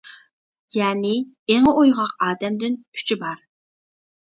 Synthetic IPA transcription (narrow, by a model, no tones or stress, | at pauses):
jɛːnɪ | eŋojʁɑqɑːd̪ɛmd̪ɪnʲʰy̥t͡ʃʰibɑɾ